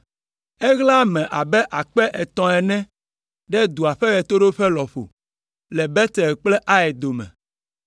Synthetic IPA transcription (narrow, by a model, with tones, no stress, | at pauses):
ɛ˦ɣla˦mɛ̃˨ʔa˨bɛ˦ʔa˨k͡pɛ˦ʔɛ˨t̪ɔ̃˨ɛ˨nɛ̃˦ | ɖɛ˦d̪u˨a˨ɸɛ˦jɛ˨t̪o˦ɖo˦ɸɛ˦lɔ˨ɸo̰˨ | lɛ˨bɛ˦t̪ɛ˨lk͡plɛ˦ʔa˦ɛ˨d̪o˨mɛ̰̃˨